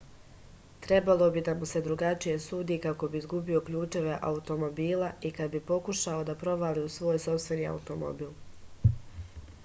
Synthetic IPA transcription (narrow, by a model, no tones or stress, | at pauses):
t̪ɾe̞balˠo̞bid̪amuse̞d̪ɾuɡat͡ʃije̞suːd̪iːkako̞biːzɡubio̞kʎuːt͡ʃeʋeʔa̰ut̪o̞mo̞biːlaʔikad̪bipo̞kuʃao̞d̪apɾo̞ʋaliusʋo̞ːjso̞fst̪ʋe̞niːa̰ut̪o̞mo̰biːlˠ